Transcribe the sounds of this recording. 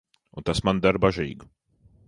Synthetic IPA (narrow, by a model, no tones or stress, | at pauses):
unt̪asmand̪aɾbaʒḭːɡ